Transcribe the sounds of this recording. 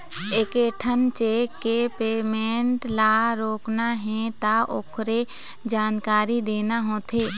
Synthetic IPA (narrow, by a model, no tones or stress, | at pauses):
ekeːʈʰənt͡ʃeːkːepeːmẽːɳʈlaːɾoːknaɦɛ̃t̪aʔokʰɾe | d͡ʒaːnkaːɾid̪eːnaɦoːt̪ʰeː